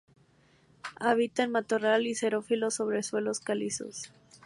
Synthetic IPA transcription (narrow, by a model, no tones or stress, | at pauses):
aβit̪enmat̪oralise̞ɾo̞filo̞so̞β̞ɾeswe̞lo̞skaliso̞̰s